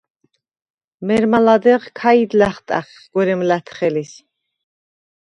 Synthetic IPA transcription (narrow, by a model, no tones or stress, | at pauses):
mɛɾmalad̪ɛʁkʰaid̪laχt̪ʼa̰χ | ɡ̥wɛɾɛmlæt̪ʰχɛlis